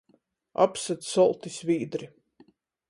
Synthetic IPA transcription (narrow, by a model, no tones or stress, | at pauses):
a̰psat̪sɔlˠt̪isviːd̪ɾi